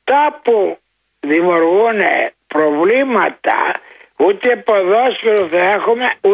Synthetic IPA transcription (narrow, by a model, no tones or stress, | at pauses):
t̪apu | ðimoɾɣunḛpɾovlimɐt̪a̰ut̪eepoðoskiloθɐexumeu